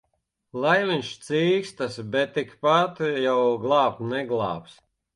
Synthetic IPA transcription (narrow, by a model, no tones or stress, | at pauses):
lˠajvinʲʃt̪siːkst̪asbʲɛt̪ːikpat̪jawɡlˠaːp̚t̪nɛɡlˠɑ̰ːps